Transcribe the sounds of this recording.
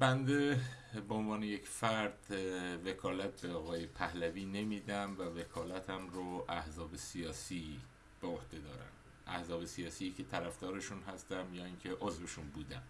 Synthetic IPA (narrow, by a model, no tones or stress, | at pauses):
bænd̪e̞ | beonvɒːne̞jecfæɾd̪̥vekʰɒːlæt̪̚beɒːɣɒːje̞pʰæhlæviːne̞miːd̪æmvæve̞kʰɒːlæt̪ʰæmɾoʔæhzɒːbe̞sijɒːsi | b̥eohd̪e̞d̪ɒ̰ːɾæ̰n | ʔæhzɒːbe̞sijɒːsicʰet̪ʰæɾæfd̪ɒːɾe̞ʃuːnɦæst̪æmjɒːiŋkcʰe̞ʔozveʃuːnbuːd̪æm